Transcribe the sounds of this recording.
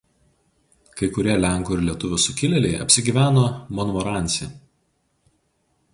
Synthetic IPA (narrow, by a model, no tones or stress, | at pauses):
kɐɪkʊɾʲiɛlʲæˑŋˑkoɪɾlʲiɛt̪ʊʋʲʊsʊkʲɪlʲɛlʲɛɪɐ̰pʲsʲɪɡʲiːʋʲæːnoːmɔnɔmɔɾɑˑnʲt̪sʲɛ